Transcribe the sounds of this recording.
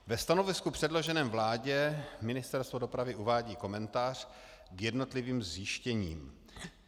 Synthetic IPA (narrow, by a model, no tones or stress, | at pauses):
vɛst̪anovɪskupr̥ɛdlo̞ʒɛnɛːmvlaːɟɛmɪnɪst̪ɛɾst̪vodo̞pɾavɪuvaːɟiːko̞mɛnt̪aːr̝̥ | ɡjɛdno̞t̪lɪviːmzjɪʃcɛɲḭːm